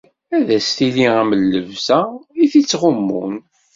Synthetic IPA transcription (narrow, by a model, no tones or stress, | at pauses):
æðæst̪iliæməlːəvsæiθit͡sːʁʊmːun